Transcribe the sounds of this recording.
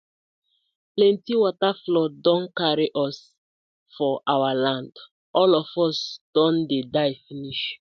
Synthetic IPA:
plɛ̃ntiwɔtaflɔdɔ̃nkaɹiʔɔs | fɔʔawalãnd | ʔɔlɔfɔsd̥ɔ̃ndedaɪfiniʃ

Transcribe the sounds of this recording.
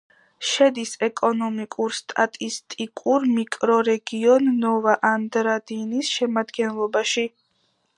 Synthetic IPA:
ʃɛd̪isɛkʼɔnɔmikʼuɾst̪ʼat̪ʼist̪ʼikʼuɾmikʼɾɔɾɛɡiɔnːɔvaʔand̪ɾad̪inisʃɛmad̪ɡɛnlˠɔbaʃi

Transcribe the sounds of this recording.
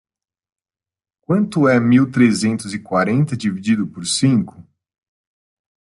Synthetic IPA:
kwɐ̃nt̪ʊɛmiwt̪ɾezẽnt̪ʊzɪkwaɾẽnt̪ɐd͡ʒivid͡ʒid̪ʊpoɾsĩŋkʊ̥

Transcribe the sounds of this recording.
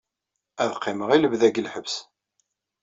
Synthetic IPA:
æðqʰːɪməʁiləvðæɡəlħəvs

